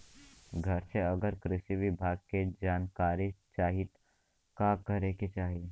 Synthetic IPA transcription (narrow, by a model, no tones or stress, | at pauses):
ɡʱɐɾseɐɡəɾkɾɪʃiʋɪbʱaːɡ̚ked͡ʒaːnkaːɾit͡ʃaːɦi | kakəɾeket͡ʃaːɦi